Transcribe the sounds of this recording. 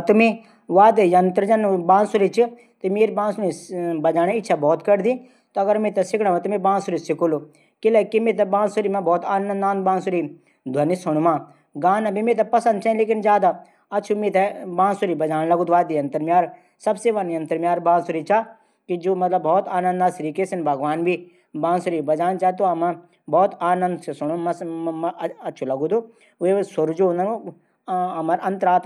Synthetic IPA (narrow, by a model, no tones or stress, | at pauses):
t̪umĩ | ʋaːd̪ejɐnt̪əɾd͡ʒanbãːnsuɾit͡ʃi | t̪emeːɾbãːnsʊnibɐd͡ʒaːɽ̃ẽɪtːʃʰabɔːt̪kɐɾd̪ĩː | t̪oɐɡəɾmẽt̪ɐsɪkʰɽãʋãt̪umẽbãːnsuɾisɪkulu | kɪlɛkimẽt̪̬ɛbãːnsuɾimãbɔːt̪aːnə̃naːnbãːnsuɾi | d̪ʱɐnisʊñumã | ɡaːnãbʱimẽːt̪̬ɐpɐsənd̪̚t͡ʃãːĩleːkɪnzjaːd̪a | ɐt͡ʃʰumẽt̪ɛbãːsuɾibɐd͡ʒaːnlɐɡuːd̪uʋaːd̪ijɐnt̪ɐɾmjaːɾ | sɐbseʋɐnɐ̃nt̪ɐɾmjaːɾbãːsuɾit͡ʃa | kid͡ʒoːmɐt̪lɐbːɔːt̪aːnɐ̃nd̪aːsɾikesinbʱɐɡʋaːnbʱi | bãːnsuɾiːbɐd͡ʒaːnt͡ʃat̪̬oɐma | bɔːt̪aːnɐ̃nd̪sesʊɽ̃umɐs | ɐtːʃʰulɐɡud̪u | esʊɾd͡ʒonɐ | ɐmɐɾɐ̃nt̪əɾaːt̪